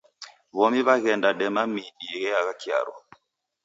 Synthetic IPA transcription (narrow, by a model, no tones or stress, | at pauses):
βɔmiβaɣɛndaɗɛmamiɗiɛɣɛaɣakia̰ɾɔ̰